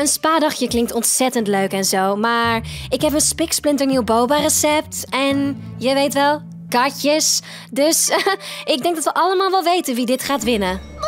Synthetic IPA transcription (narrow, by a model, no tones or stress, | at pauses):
ənspaːdɑχjəklɪŋktɔntsɛtəntløɥkɛnzowmaːɹɪkɦɛp̬ənspɪksplɪntəɹniwbowbarəsɛp̚tɛn | jəʋejtʋɛlˠ | kɑɹcəs | døsɪɡ̚dɛŋɡdɑtʋəʔɑləmaːlˠʋɛlˠʋejtənʋidɪtχaːtʋɪnə